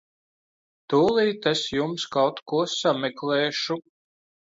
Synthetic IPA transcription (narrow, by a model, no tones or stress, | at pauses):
t̪uːlˠiːt̪esjumskawt̪kuɔsamɛkleːʃu